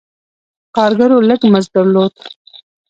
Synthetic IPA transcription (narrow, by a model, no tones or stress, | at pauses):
kɑɾɡaɾoləɡməzd̪aɾlod̪